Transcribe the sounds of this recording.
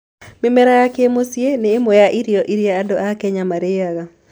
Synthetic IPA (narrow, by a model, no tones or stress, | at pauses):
memɛɾajakemosjeneːmojaʔiɾiɔʔiɾjaːdoʔakɛɲamaɾeaɣa